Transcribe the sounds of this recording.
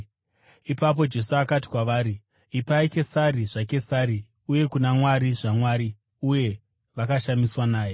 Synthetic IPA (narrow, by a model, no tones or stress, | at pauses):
ipap̬o̞d͡ʒe̞suakat̬i̥kwaʋaːɾi | ipaike̞saɾiʐake̞saɾi | uje̞kunamwaɾiʐamwaɾi | uje̞ | ʋakaʃamiswanaːje